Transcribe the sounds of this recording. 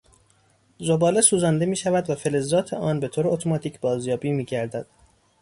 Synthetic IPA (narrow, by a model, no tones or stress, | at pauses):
zo̞bɒːlesuːzɒnd̪emiːʃævæd̪væfe̞le̞zːɒːt̪ʰḛʔɒːnbe̞t̪ʰoːɾeot̪ʰo̞mɒːt̪ʰiːcʰbɒːzjɒːbiːmiːɟæɾd̪æd̪̥